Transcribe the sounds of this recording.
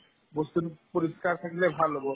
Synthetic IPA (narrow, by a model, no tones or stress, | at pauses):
bost̪unpoɾiskaɾt̪ʰakilebʱalɦobo